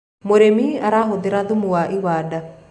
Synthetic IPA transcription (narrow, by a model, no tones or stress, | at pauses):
moɾemiːaɾaɦod̪eɾãðumuwaʔiβaːda